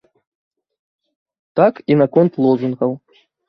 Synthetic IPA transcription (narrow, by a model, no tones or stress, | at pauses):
t̪akinakɔnt̪lˠɔzunɣɐw